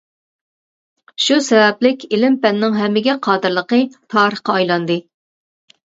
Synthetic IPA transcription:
ʃusɛvɛplɪkʲɪlɪmpɛnːɪŋɦɛmːɪɡʲɛqʰɑːd̪ɨɾlˠəqət̪ʰɑːɾəχqɑːjlˠɑnd̪ɨ

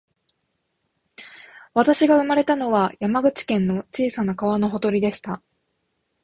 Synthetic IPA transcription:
βat̪aɕiɡaɯ̟maɾe̞t̪ano̞βajamaɡɯ̟t͡ɕi̥kẽ̞nːo̞t͡ɕiːsanakaβano̞ɦo̞t̪o̞ɾʲid̪e̞ɕi̥t̪a

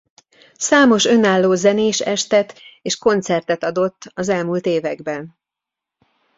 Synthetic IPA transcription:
saːmo̞ʃø̞naːlːoːzɛneːʃɛʃt̪ɛt̪eːʃko̞nt̪sɛrt̪ɛt̪ɒd̪o̞t̪ːɒzɛlmult̪eːvɛɡbɛn

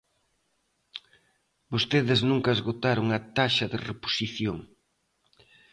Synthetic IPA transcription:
bost̪eðɪznũŋkɐezɣot̪aɾoŋɐt̪aʃɐðɪrepo̥siθjoŋ

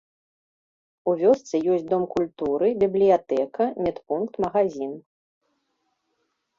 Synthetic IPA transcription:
uvʲɔst̪sɨjɔsʲtʲd̪ɔmkulʲt̪uɾɨbʲiblʲijat̪ɛkɐmʲɛt̪punkt̪mɐɣazʲin

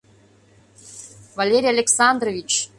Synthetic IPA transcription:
valʲeɾʲijalʲeksɑnd̪rovʲit͡ɕ

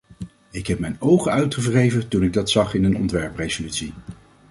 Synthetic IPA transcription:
ɪkɦɛp̚mɛjnowχəœɥtχəvrejvətunɪɡ̚dɑtsɑχɪnənɔ̰ntʋɛɹprejzolytsi

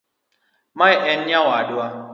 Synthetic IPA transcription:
majʔɛnɲawadwa

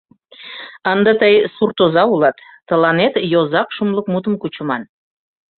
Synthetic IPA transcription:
ɑnd̪ɑt̪əjsurt̪ozɑulɑt̪ːəlɑnet̪jozɑkʃumləkmut̪̬əmkut͡ɕəmɑn

